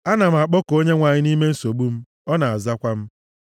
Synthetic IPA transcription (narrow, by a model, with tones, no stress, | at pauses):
a˦na˨m̩˨a˨k͡pɔ˦ko˦ɲe˦ŋʷa˨ɲɪ˦ni˦me˦n̩˦so˨ɡ͡bu˦m̩˦ | ɔ˦na˨a˨za˦kʷa˦m̩˦